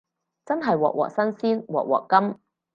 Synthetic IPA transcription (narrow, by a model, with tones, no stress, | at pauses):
t͡sɐ˥nɦɐ˨jwɔ̰ː˨k̚wɔ̰ː˨k̚sɐ˥nsiː˥nwɔ̰ː˨˩k̚wɔ̰ː˨˩kːɐ˥m